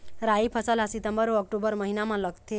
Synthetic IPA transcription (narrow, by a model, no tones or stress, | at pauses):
ɾaipʰəsəlasit̪əmbəɾʋəɔk̚ʈobəɾməɦinamaləɡt̪e